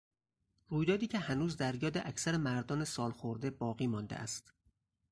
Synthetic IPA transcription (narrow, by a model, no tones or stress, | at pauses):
ruːjd̪ɒːd̪iːcʰe̞hænuːzd̪æɾjɒːd̪eʔæcʰsæɾemæɾd̪ɒːnesɒːlxoɾd̪e̞bɒːɣiːmɒnd̪ḛʔæ̰st̪